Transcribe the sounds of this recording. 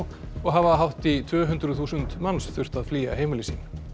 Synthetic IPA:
ɔɣɦavaɦawht̪it̪ʰvœːɦʏnt̪ɾʏθuːsʏnt̪mawnsθʏr̥t̪aðfliːa̰ɦeːjmɪlɪsḭːn

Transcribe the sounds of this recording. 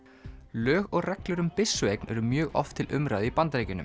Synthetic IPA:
lœːɣɔɣrɛklʏɾʏmpɪsːʏejknʔɛ̰ɾʏmjœːɣɔ̰ft̪ʰɪlʔʏmɾaːðipant̪ɾejcʏnʏ̰m

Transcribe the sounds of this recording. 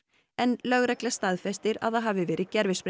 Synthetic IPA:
ɛnlœɣɾɛklast̪aðfɛst̪ɪɾa̰ðθaðɦaːvɪvɛːɾʔɪcɛɾvɪspɾ

